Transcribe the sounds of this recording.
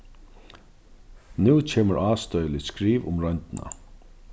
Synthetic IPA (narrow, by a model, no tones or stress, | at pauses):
nuːcʰeːməɾʔaːst̪œʏlɪskɾiːvʊ̰mɾœɲt̪ɪna̰